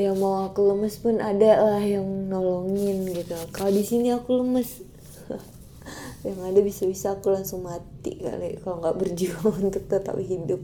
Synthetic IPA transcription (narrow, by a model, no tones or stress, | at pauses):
jaŋmawakuləməspʊnʔadalahjaŋnolɔŋɪnɡit̪ukalodisiniakuləməs | jaŋadabisabisaːkulaŋsʊŋmat̪ḭka̰ʔlikaloŋɡaʔbərd͡ʒuaaŋunt̪ʊk̚t̪ət̪a̰pɦidʊp̚